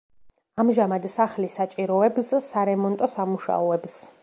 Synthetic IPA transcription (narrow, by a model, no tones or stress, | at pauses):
amʒamad̪saχlisat͡ʃʼiɾɔɛbssaɾɛmɔnt̪ʼɔsamuʃa̰ɔɛbs